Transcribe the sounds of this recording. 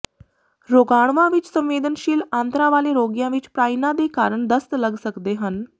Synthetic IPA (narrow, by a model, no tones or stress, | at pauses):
ɾoːɡaːɳ̃ʋãʋɪt͡ʃsə̃mʋeːd̪ənʃiːlãːnt̪ɾãʋaːleɾoːɡjãʋɪt͡ʃpɾaːinãd̪ekaːɾəɳd̪əst̪ləɡsəkd̪eɦən